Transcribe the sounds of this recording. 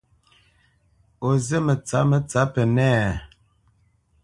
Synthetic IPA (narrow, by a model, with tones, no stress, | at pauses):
o˨zə˦mə˨t͡sa˨˦mə˨t͡sa˨˦pə˨nɛ˦˨